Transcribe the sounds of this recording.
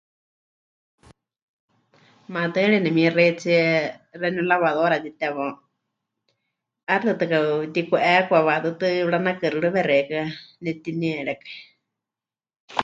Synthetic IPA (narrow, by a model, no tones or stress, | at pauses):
mãt̪ɨɺɛnɛmĩrɛit͡siɛrɛnulaβaðoɾat̪it̪ɛβɔ | aɾt̪ɨt̪ɨkat̪ikuʔɛkʷaβat̪ɨt̪ɨɺanakɨɾɨɺɨβɛɾɛkanɛt̪iniɛɺɛkɛ̥